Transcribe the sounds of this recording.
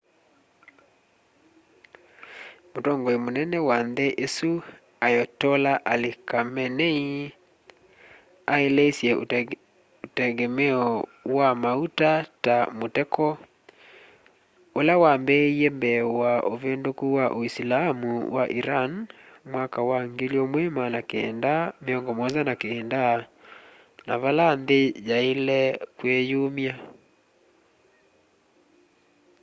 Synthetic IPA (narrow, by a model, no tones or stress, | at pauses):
motɔŋɡɔemonɛnɛwanðeʔesu | ajɔtɔlaʔalikamɛnɛi | aeleisjɛ | otɛɡɛmɛɔwamautatamotɛkɔ | olawambɛiembɛwaʔovendokuwaʔoislaamṵwaʔiɾanmwakawaŋɡeliomwemanakeɛndameɔŋɡɔmɔzanakeːnda | na̰βalanðed͡ʒaelɛkwejomja